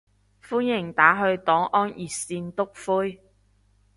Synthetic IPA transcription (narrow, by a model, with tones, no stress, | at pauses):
fuː˥njɪ˨˩ŋt̪aː˨˥ɦɵ˧ɥt̪ɔː˨˥ŋʔɔː˥njiː˨siː˧nt̪ʊ˥k̚fuː˥j